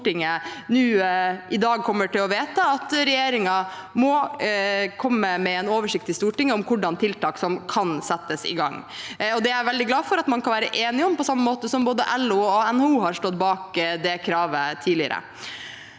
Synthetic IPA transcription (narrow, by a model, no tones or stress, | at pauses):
ʈɪŋːənʉːʔɪd̪ɑːɡ̚kʰɔmːəʈɪlɔʋeːt̪ɑɑt̪ɾɛjeːɾɪŋɑmɔ | kʰɔmːəmɛɛnoːʋəʂɪk̚t̪ɪst̪uːʈɪŋːəɔmkʰʊɖɑnt̪ʰɪlt̪ɑːksɔmkʰɑnsɛt̪ːəsɪ̰ɡɑŋːɔd̪ɛæɾʋɛld̪ɪɡlɑːfɔɾɑt̪mɑnkʰɑnʋæːɾəʔeːnɪɔmpɔsɑmːəmoːt̪əsɔmboːd̪əʔɛluɑɛnuːɦɑɾʂʈɔt̪̚bɑːkd̪ɛkʰɾɑːʋət̪ʰiːlɪə̰ɾə̰